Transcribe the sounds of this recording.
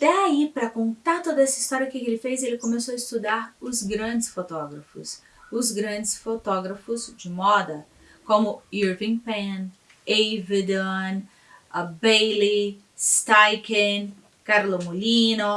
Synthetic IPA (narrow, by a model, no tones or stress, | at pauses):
d̪̥ɛaipɾɐkõnt̪aɾt̪od̪ɐɛsɐist̪ɔɾiɐkɪelɪfejzelɪkomesoɐɪst̪ud̪aɾʊzɡɾɐ̃d͡ʒɪsfot̪ɔɡɾɐfʊ̰s | ʊzɡɾɐ̃nd͡ʒɪsfot̪ɔɡɾɐfʊzd͡ʒɪmɔd̪ɐ | kõmʊiɾvĩpẽn | ejved̪õn | ɐbejli | st̪ajkẽ | kaɾlomolĩnʊ